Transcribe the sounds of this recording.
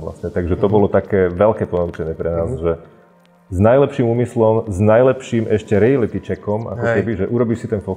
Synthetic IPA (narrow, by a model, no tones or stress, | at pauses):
la̰sɲɛt̪aɡʒɛt̪ɔbɔlɔt̪akɛːʋɛlkɛːpɔnaut͡ʃɛɲɪɛpɾɛnaːzʒɛ | znajlɛpʃimuːmislɔmznajlɛpʃiːmʔɛʃcɛɾɛjalit̪it͡ʃɛkɔmʔa̰kɔkɛbiʒɛʔuɾɔbiʃsit̪ɛnfɔ